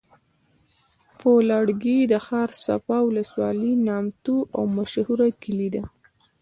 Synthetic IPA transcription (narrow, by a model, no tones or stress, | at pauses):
folɑɽɡid̪əxɑɾsa̰fɑwʊləswɑlinɑmt̪uʔawmaʃhuɾakilid̪a